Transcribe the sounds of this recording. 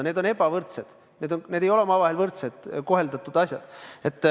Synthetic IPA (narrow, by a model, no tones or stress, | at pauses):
ned̪o̞ne̞b̥ɑvɤrt̪se̞d̪̥ | ne̞ːd̪onned̪̥ejo̞lemɑːvɑɦe̞lvɤrt̪sed̪̥ko̞ɦe̞ld̪̥ɑt̪ːˑud̪̥ɑsjɑ̰d̪̥e̞t̪ːˑ